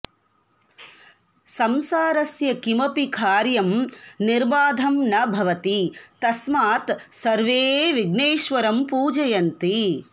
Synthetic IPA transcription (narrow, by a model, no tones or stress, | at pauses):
sɐmsaːɾɐsjɐkimɐpikʰaːɾjɐmniɾbaːd̪ʱɐmnɐbʱɐʋɐt̪it̪ɐsmaːt̪sɐɾʋeːʋiɡneːʃʋɐɾɐmpuːd͡ʒɐjɐnt̪i